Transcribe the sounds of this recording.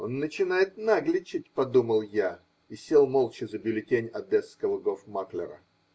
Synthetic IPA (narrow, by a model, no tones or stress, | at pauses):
o̞nːət͡ɕɪnajɪt̪̚naɡlʲɪt͡ɕːɪt̚ʲpɐd̪uməlˠja | isʲelˠmolˠt͡ɕɪzəbʲɪlʲɪtʲenʲɐd̪ɛskəlˠɨɡofmaklʲɪ̰ɾə̰